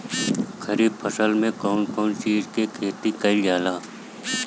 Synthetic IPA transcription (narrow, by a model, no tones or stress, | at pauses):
kɐɾiːb̚pʰɐsəlmẽkɔːnkɔːnʃiːzkekʰeːt̪ikɐid͡ʒaːlaː